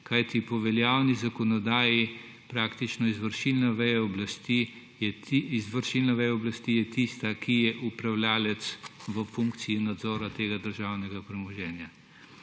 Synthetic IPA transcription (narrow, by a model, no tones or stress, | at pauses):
kajt̪ipɔʋɛljawnizakɔnɔd̪aːji | pɾaːkt̪it͡ʃnɔizʋəɾʃilnaʋɛjaɔblast̪i | izʋəɾʃilnaʋɛjaɔblast̪ijɛt̪ist̪akʰijɛʔupɾawljaːlɛt̪sʋəfuŋkt̪siinad̪zɔːɾat̪eːɡad̪əɾʒawnɛɡapɾɛmɔʒɛːnja